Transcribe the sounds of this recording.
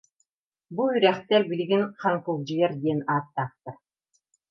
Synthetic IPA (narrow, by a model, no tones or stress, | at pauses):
buyɾæχt̪ɛɾbiliɡinχaŋkulˠd͡ʑijɛɾd̪iɛnaːt̪ːaːχ̚t̪ɯɾ